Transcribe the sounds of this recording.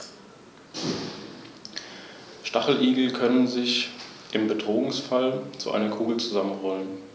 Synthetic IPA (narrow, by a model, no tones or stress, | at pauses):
ʃtaχl̩ʔiːɡl̩kʰœnənzɪçʔɪmbədʁoːʊŋsfalt͡sṵʔa̰ɪnɐkʰuːɡl̩t͡suzamənʁɔlən